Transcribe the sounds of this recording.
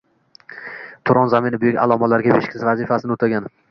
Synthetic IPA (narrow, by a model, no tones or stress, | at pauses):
t̪ʰʊɾɒnzamɪnɪbʊjɪkʲa̰lˠɒmalaɾɡʲabeʃkʲʰɪ̥zvazɪfasɪnɪot̪ʰaɡʲan